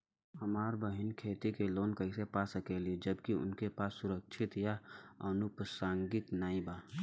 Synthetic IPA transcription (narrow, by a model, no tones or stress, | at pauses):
hɐmaːɾbəɦɪnkʰeːt̪ikeloːnkɐɪsepasəkelied͡ʒəbkiʊ̰nkepaːsːʊɾəkʃʰɪt̪jaɐnʊpsãːŋɡɪknaːĩbaː